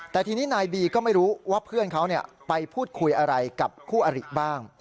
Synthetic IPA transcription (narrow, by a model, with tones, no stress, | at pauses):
t̪ɛː˨˩t̪ʰiː˧niː˦˥naː˧jbiː˧kɔː˥˩ma˥˩jɾuː˦˥waː˥˩pʰɯ˥˩ənkʰa˦˥wni˥˩ə | pa˧jpʰuː˥˩t̪̚kʰu˧jʔa˧ɾa˧jka˨˩p̚kʰuː˥˩ʔa˧ɾi˨˩ʔ̚baː˥˩ŋ